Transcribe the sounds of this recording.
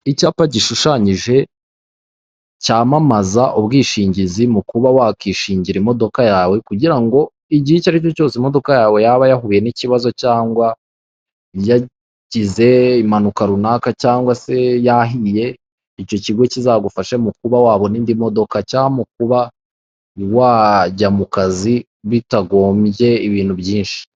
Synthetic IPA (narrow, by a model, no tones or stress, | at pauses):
icaːpaɟiʃuʃaɲiʒe̞ | caːmamazaʔuβɡiːʃiːɲɟizimukuβawaːkiʃiːɲɟiɾimo̞do̞kajaːwe̞kuɟiɾaŋɡo̞ | iɟiicaɾico̞co̞ːsimo̞do̞kajaːwe̞jaːβajahuβije̞niciβazo̞caːŋɡwa | ja | ɟize̞imanukaɾunakacaːŋɡwase̞jaɦije̞ | ico̞ciɡwe̞cizaɡufaʃemukuβawaːβo̞niːndimo̞do̞kacaːmuk̚uβa | waːɟamukazi | βitaɡo̞ːmje̞iβiːnhubjiːnʃi̥